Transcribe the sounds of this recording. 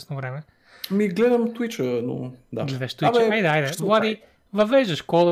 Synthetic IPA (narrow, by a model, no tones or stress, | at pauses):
snʊvɾɛmɛ | miɡlɛd̪ɐmt̪uwit͡ʃəno̰d̪aɡlɛd̪ɐʃt̪uiajd̪ɐajd̪ɛvwˠad̪i | vɐvɛʒɐʃkɔlˠɐ